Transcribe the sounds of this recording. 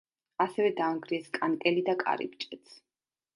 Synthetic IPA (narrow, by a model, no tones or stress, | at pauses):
asɛvɛd̪aːŋɡɾiɛskʼankʼɛlid̪akʼa̰ɾḭp̚t͡ʃʼɛt̪sʰ